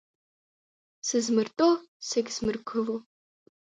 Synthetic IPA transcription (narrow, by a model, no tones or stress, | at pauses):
sɨzmɨrtʼoseɡʲzmɨrkʰɨlo